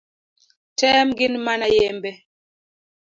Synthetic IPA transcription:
tɛmɡinmanajɛmbɛ

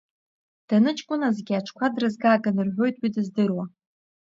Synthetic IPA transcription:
d̥anɨt͡ʃʼkʷʼʊnazɡʲiaʈ͡ʂʰkʷʰadrɨzɡaːɡʼanɨrħʷo̞jtʼwidɨzdɨrwa

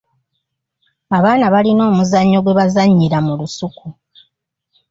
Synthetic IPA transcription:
aβaːnaβalino̞ːmuzaɲːo̞ɡwe̞βazaɲːiɾamulusuku

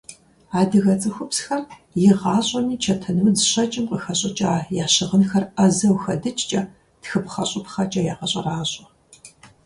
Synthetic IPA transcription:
aːdɨɣɐt͡sʼɨxʷʊpsxɐrjɪʁɑːɕʼɐmiːt͡ʃʰɐtʰɐnɨwzɨɕɐt͡ʃʼɪmqəxɐɕʼɐt͡ʃʼaːjaːɕɪʁənxɐrɐzɐwxɐdɨt͡ʃʼt͡ʃʼɐ | txɨpχɐɕʼɪpχɐt͡ʃʼɐjaːqɐɕʼɐraːɕʼɐ

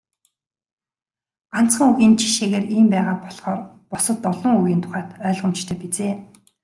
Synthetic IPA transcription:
an̥t͡sχə̆ŋuɣiːnt͡ɕʰi̥ʃeːɣeːɾiːmpæːʁaːpɔɮχɔːr | pɔsɞ̆t̪ːɔɮɞ̆ŋuɣiːnt̪ʰʊ̥χæːt̪œːɮʁə̆m̥t͡ɕt̪ʰœːpit͡seː

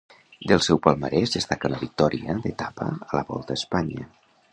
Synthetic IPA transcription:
d̪elˠsɛwpalˠmaɾɛzðest̪akənləβik̚t̪ɔɾʔiəðet̪apə̰əlaβɔ̰lˠt̪əspaɲə

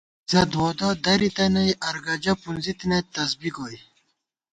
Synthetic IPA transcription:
zɐd̪wod̪od̪ɐɾit̪ɐnɐjʔɐɾɡɐd͡ʑɐpunzit̪inet̪ɐsbiɡoj

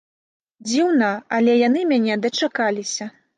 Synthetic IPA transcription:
d͡zʲiwnɐɐlʲɛjanɨmʲanʲɛd̪ɐt͡ʂakalʲisʲɐ

